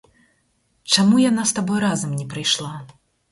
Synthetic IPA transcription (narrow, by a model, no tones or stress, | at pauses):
t͡ʂamujanast̪abɔjɾazɐmnʲɛpɾɨjʂlˠa